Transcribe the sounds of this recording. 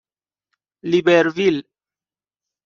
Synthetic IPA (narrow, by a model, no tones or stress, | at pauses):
libeɾvil